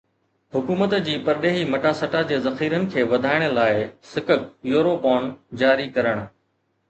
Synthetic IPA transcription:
ɦʊkuːmət̪d͡ʑiːpɐɾɗeːɦimɐʈaːsɐʈad͡ʑeːzɐxiːɾənɪ̆kʰeːʋɐd̪ʱaːɪɽ̃̆laːɪsɪkəkjoːɾoːpaːnd͡ʑaːɾikɐɾəɽ̃

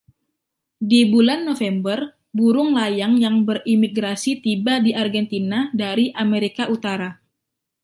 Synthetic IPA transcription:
dibulanːofɛmbər | buɾʊŋlajaŋjaŋbərimiɡɾasit̪ibadiʔarɡɛnt̪inadaɾiʔameɾikaʔut̪aɾa

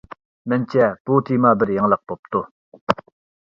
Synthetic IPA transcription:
mənt͡ɕapot̪ʰimabərjaŋlaχpop̚t̪o

